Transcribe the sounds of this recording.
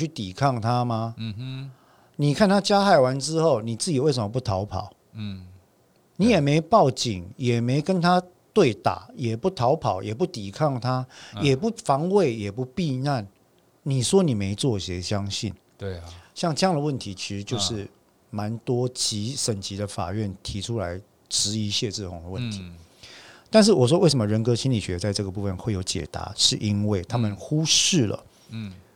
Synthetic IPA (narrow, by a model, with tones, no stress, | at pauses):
y˥˩t̪i˨˩kʰɑ˥˩ŋt̪ʰa˦ma˧ | ni˨˩kʰa˥˨nt̪ʰa˦˥t͡ɕja˦xa˥˩ɪwa˧˦nʈ͡ʂɻ̩˦xo˥˨ʊni˨˩t͡sɹ̩˥˩t͡ɕi˨˩we˥˩ɪsə˧˦mə˧p̬u˥˩t̪ʰa˨˦ʊpʰɑ̰˨˩˦ʊ | ni˨˦jɛ˨˩me˧˦ɪpɑ˥˩ʊt͡ɕḭ˨˩˦ŋjɛ˨˩me˧˥ɪkə˦nt̪ʰa˦˥ | t̪we˥˩ɪt̪a̰˨˩˦jɛ˨˩pu˥˩t̪ʰɑ˨˧˥ʊpʰɑ̰˨˩ʊjɛ˨˩p̬u˥˩t̪i˨˩kʰɑ˥˨ŋt̪ʰa˦˥jɛ˨˩pu˧˥˩fɑ˧˦ŋwe˥˨˩ɪjɛ˨˩pu˧pi˥˧na˥˨n | ni˨˩ʂwɔ˦˥ni˨˩me˧˥ɪt͡swɔ˥˩ɕjɛ˧˥ɕjɑ˦ŋɕḭ˥˩n | ɕjɑ˥˧ŋʈ͡ʂɤ˥˧jɑ˥˩ŋd̪ə˩wə˥˩nt̪ʰi˧˥t͡ɕʰi˧˥ʂɻ̩˧˥t͡ɕjo˥˧ʊʂɻ̩˥˩ | ma˧˦nt̪wɔ˥t͡ɕi˧˥ʂə˨˩nt͡ɕi˧˥d̪ə˧fa̰˨˩ɥɛ˥˩nt̪ʰi˧˥ʈ͡ʂʰu˦la˧˦ɪ | ʈ͡ʂɻ̩˧˥i˧˥ɕjɛ˥˧t͡sɻ̩˥˩xʊ˧˥ŋd̪ə˨wə˥˨nt̪ʰi̥˨˦ | t̪a˥˧nʂ̬ɻ̩˥˩wɔ˨˩ʂ̬wɔ˦we˥˩ɪʂə˧˦mə˧ɻə˧˥nkɤ˥ɕʰi˥nli˨˩ɕɥɛ˧t͡sa˥˧ɪʈ͡ʂɤ˥˩ɡə˩pu˥˧fə˧nxwe˥˩ɪjo˧˥ʊt͡ɕjɛ̰˨˩t̪a̰˧˦ʂɻ̩˥˨ʔi˦nwe˥˩ɪt̪ʰa˥mə˨nxu˦ʂɻ̩˥˩lə̰˩